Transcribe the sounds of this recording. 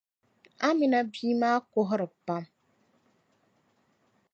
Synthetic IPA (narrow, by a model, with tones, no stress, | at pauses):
a˦mĩ˨na˦biː˦maː˦ko˦ɦʊ˦ɾɨ˨pa˦m